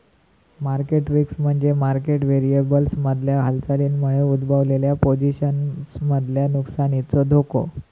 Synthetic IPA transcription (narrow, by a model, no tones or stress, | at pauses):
maɾkeʈɾiksm̤əɳd͡zemaɾkeʈʋeɾiebəlsməd̪ʱljaɦalt͡saliːnmuɭeud̪bʱaʋleljapod͡ʑiɕənsməd̪ʱljanuksanit͡sɔd̪ʱoko̰